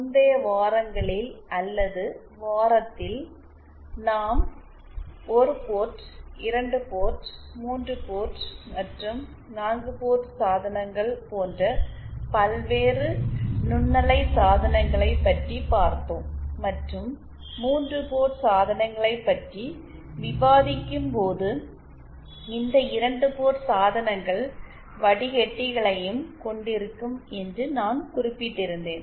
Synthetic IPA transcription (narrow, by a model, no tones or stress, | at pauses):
ʊnd̪ɐjɐʋaːɾɐŋɡɐɭɪlʔɐlːɐðɯ | ʋaːɾɐt̪ːɪl | naːm | ɔɾɯpoːʈɪɾɐɳɖɯpoːʈmuːndrɯpoːʈːmɐʈrɯm | naːŋɡɯpoːʈːsaːðɐnɐŋɡɐɭpoːndrɐpɐlʋeːrɯnʊɳːɐlɐɪsaːðɐnɐŋɡɐɭɐɪpːɐʈripaːɾt̪oːmːɐʈrɯmː | uːndrɯpoːɾsaːðɐnɐŋɡɐɭɐɪpːɐʈri | ʋɪbaːðɪkːɯmpoːðɯ | ɪnd̪ɐɪɾɐɳɖɯpoːɾsaːðɐnɐŋɡɐɭ | ʋɐɽɪɣɛʈːɪɣɐɭɐjɯmkɔɳɖɪɾɯkːɯmɛndrɯnaːnkʊrɪpːɪʈːɪɾɯnd̪eːn